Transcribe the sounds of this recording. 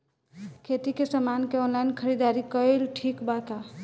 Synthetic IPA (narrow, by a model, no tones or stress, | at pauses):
kʰet̪ikesəmankeɔnlajnkʰəɾid̪aɾikəelʈʰikbat̪a